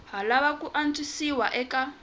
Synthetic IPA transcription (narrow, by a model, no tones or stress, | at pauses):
ɦalaβakuʔant͡sʼisiwaʔɛka